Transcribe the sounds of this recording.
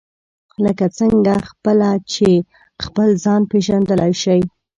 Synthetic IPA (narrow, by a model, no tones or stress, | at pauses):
ləkat͡səŋɡaxpəlat͡ʃe | xpəlzɑnpeʒand̪əlajʃəj